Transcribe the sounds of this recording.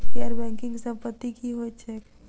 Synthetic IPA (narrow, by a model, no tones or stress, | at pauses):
keəɾbɛ̃ŋkɪ̃ŋɡsə̃mpət̪ːikiɦoet͡ʃʰe